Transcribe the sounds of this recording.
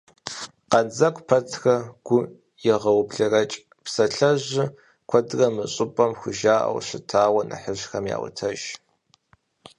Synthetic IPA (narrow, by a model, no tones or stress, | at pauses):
qɐnd͡zɐkʷpʰɐtʰxɐɡ̥ʷʊ | jɪʁɐwpɮɐrɐt͡ʃʼ | psɐɬɐʑɪ | kʷʰɐdrɐmɨɕʼɪpʼɐmxʷʊʒaːʔɐ̰wɕɪtʰaːwɐnʔɨ̰ħəɕxɐmja̰ːwʊ̰tʰɐʒ